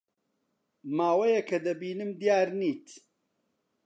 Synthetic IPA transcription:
maːwɐjɐkʰɐd̪ɐbiːnɨmd̪ijaːɾniːt̪

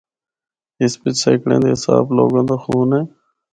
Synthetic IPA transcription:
ɪspɪt͡ʃseːkɽḛ̃ːnd̪eːɦɪsa̰ːbloːɡãːnd̪aːxuːnɦeː

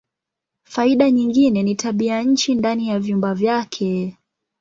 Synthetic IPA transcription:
faiɗaɲiŋɡinɛnitaɓiaɲ̩t͡ʃindanijavjumbavjakʰɛ

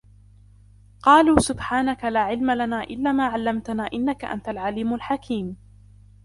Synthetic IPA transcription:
qɑːluːsʊbħaːnakalaːʕɪlmalanaːʔɪlːaːmaːʕalːamt̪anaːʔɪnːaka̰ʔa̰nt̪alʕaliːmalħakʰiːm

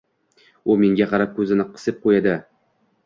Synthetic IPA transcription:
ʊmeŋɡʲaqʰɑɾap̚kʰɵzɪnɪqʰɨ̥sɪp̚qʰojad̪ɪ

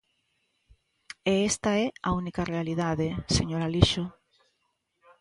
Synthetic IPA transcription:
eest̪aɛaunikarealiðaðeseɲoɾaliʃo

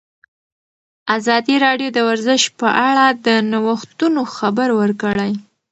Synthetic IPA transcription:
azɑd̪iɾɑɖjod̪əwaɾzɪʃpəʔaɽad̪ənawəxt̪unoxabaɾwəɾkəɽaj

